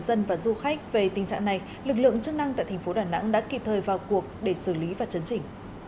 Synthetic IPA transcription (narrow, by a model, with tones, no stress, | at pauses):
zə˧nvaː˨˩zu˧xa˦˥k̟̚ve˨˩t̪i˨˩ŋ̟t͡ɕa̰ː˧˨ŋna˨˩j | lɨ˨˩k̚lɨ̰˧˨əŋt͡ɕɨ˦˥k̚na˧ŋt̪a̰ː˧˨t̪ʰŋ̟fo˨˦ɗaː˧˨˩na̰˧˥ŋɗa̰ː˧˥ki˨˧˩p̚t̪ʰəː˨˩jvaː˨˩wku˨˩ək̚ɗe˧˩sɨ˧˩li˨˦vaː˨˩wt͡ɕə˨˦nt͡ɕï˧˩ŋ̟